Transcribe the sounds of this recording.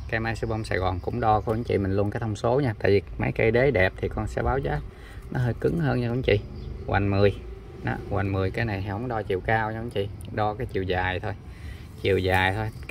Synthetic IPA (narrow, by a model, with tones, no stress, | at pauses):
kaː˨˦jmaː˧jsɨ˧wɓə˧wŋ͡msa̰ː˧˩jɣɔ˨˩nkʊ̰˧˥ŋ͡mɗɔ˧kːŋ͡mt͡ɕḭ˧˨mï˨˩ŋlu˧ənkaː˨˦jt̪ʰwŋ͡mso˨˦ɲaː˧t̪a̰ː˧˨jvi˨˩ma˨˦jkə˧jɗe˨˦ɗɛ˨˩p̚t̪ʰi˨˩kɔ˧nsɛ̰˧˥ɓaː˨˦wzaː˨˦ | nɔ˨˦ɦəː˧jkɨ˨˦ŋhəː˧nɲa˧kʊ̰˧˦ŋ͡mt͡ɕḭ˧˨ɣwa˨˩ŋmɨ˨˩əj | nɔ̰˨˦ɣwa˨˩ŋmɨ˨˩əjkaː˨˦jna˨˩jɦhə˧˦ŋ͡mɗɔ˧t͡ɕḭ˧˨wkaː˧wɲaː˧kʊ̰˧˦ŋ͡mt͡ɕḭ˧˨ɗɔ˧kaː˨˦jt͡ɕi˨˩əwzaː˨˩jt̪ʰo˧j | t͡ɕi˨˩˨əwzaː˨˩jt̪ʰo˧j